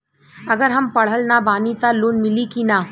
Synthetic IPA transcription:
ɐɡəɾɦɐmpɐɽ̤əlnabaːnit̪aloːnmɪlikinaː

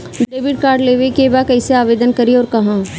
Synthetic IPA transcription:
ɖɖeːbɪʈ̚kaːɾɖleːʋekebakɛːseaːʋeːd̪ənkɐɾiɔːɾkɐɦãː

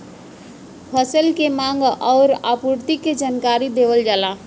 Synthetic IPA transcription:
pʰəsəlkemaŋɡɔʊɾapuɾt̪ikːed͡ʒankaɾid̪eʋəld͡ʒala

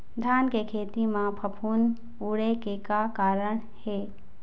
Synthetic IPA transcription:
d̪ʱaːnkekʰeːt̪imãpʰəpʰuːn | uːɽekekakaːɾəɳ̃ | heː

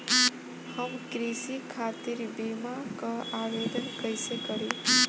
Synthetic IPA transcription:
həmkɾisikʰaːt̪iɾbimakaaʋed̪ənkəjsekəɽi

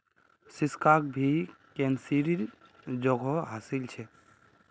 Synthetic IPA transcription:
siskak̚bʱikɛnsiɾiɾ | d͡ʒɔɡʱɔɦasilt͡ʃʰɛ

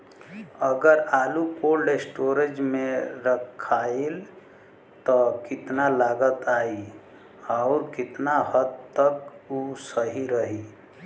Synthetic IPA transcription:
əɡəɾaːlukoːlɖesʈoːɾed͡ʒmẽɾəkʰaːel | t̪ɔkɪt̪nalaːɡət̪aːi | aʊɾkɪt̪naɦəd̪t̪əkusəɦiɾəɦi

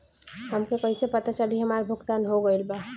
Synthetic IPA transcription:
hɐmkekɐɦisepɐt̪at͡ʃəliɦɐmaːɾbʱʊɡt̪aːnɦoɡəɪlba

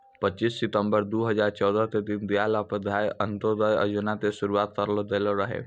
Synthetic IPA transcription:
pətːt͡ʃisːɪt̪əmbəɾd̪uɦəd͡ʒaɾt͡ʃɔwd̪ət̪ed̪ind̪ijalapəd̪ʱajənt̪od̪əjə̰d͡ʒunat̪eʃuɾuat̪̚kəɾlod̪eloɾəɦḛ

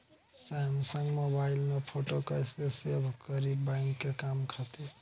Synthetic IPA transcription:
samsəŋɡmobailmepʰoʈokəjsesebʱkəɾibbãjŋkːekamkʰat̪i

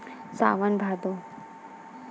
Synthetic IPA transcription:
sa̰ːʋənbʱaːd̪o

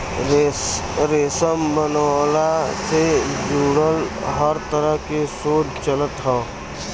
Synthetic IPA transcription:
ɾeːsəmbənwaːlased͡ʒuːɽəlɦəɾt̪əɾəɦkesoːt͡ʃt͡ʃələt̪ɦɛː

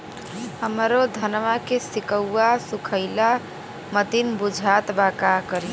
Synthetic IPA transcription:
həmɾod̪ʱənmakesikəwasukʰəɪla | mət̪inbud͡ʒʱat̪bakakəɾi

